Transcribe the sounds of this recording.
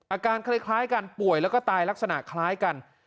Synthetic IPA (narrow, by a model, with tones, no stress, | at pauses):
ʔaː˧kaː˧nkʰaː˦˥jkʰlaː˦˥jka˧npu˨˩əjlɛ˦˥wkɔː˥˩t̪aː˧jla˦˥k̚sa˧na̰˨˩kʰlaː˦˥jka˧n